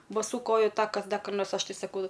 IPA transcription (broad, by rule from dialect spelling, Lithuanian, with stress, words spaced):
bɐˈsuː ˈkoːjʊ ˈtɑːkɐs ˈdɐ kɐr ˈnoːrs ˈɐʃ ˈtɐɪ sɐˈkɐʊ